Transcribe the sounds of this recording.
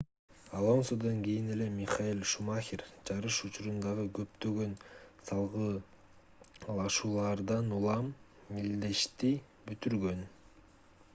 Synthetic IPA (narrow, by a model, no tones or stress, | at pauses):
alˠo̞nsod̪oŋkijine̞le̞mʲiχɑjilʲˠʃumaxʲiɾd͡ʒɑɾɯʃut͡ʃuɾund̪ɑʁɯɡø̞pt̪ø̞ɡø̞nsɑlˠʁɯ | lˠɑʃuːlˠɑɾd̪ɑnulˠɑmː | ild̪e̞ʃt̪i | byt̪yɾɡø̞n